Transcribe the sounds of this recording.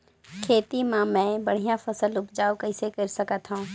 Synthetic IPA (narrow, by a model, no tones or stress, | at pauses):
kʰeːt̪imãmɛ̃ːbɐɽ̤ijãfɐsəlʊpd͡ʒaːokɐɪsekəɾsɐkət̪ɦũː